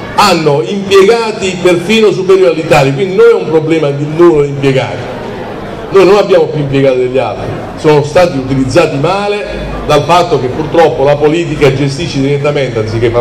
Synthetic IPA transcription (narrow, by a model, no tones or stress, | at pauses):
anːoimpjeɡaːt̪iperfiːnosupeɾjoːɾalːit̪aːljak̬wind̪inojɛumpɾoblɛːmad̪inːuloimpjeɡa̰ːɾi | noːjnonabːjaːmopjuimpjeɡaːt̪od̪eʎːia̰lt̪ɾi | sɔːnost̪aːt̪iut̪ilid̪zːaːt̪imaːle | d̪alfat̪ːok̟epːurt̪ɾɔpːolapoliːt̪̬ikad͡ʒest̪iʃːed̪iɾɛt̪ːamɛnt̪eansikːepː